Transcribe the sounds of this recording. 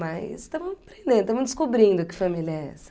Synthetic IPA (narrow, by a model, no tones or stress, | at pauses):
majzt̪ɐ̃mɐ̃pɾẽnd̪ẽd̪ʊt̪ɐ̃mɐ̃d͡ʒɪskobɾĩnd̪ʊkɪ̥fɐmiljɐɛ̰sɐ̥